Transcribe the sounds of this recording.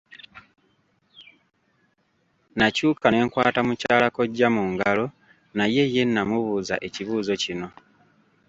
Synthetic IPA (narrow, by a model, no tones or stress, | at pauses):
nacuːkane̞ːŋkwaːtamucaːlako̞ɟːamuŋɡalo̞ | naje̞je̞nːamuβuza̰ʔe̞ciβuːzo̞cino̞